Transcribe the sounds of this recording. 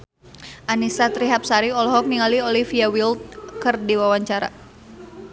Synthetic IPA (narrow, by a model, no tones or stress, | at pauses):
ʔanisat̪ɾiɦap̚saɾiɔlɔɦɔk̚niŋaliolifiawilt̪̚kɨrdiwawaɲt͡ʃaɾa̰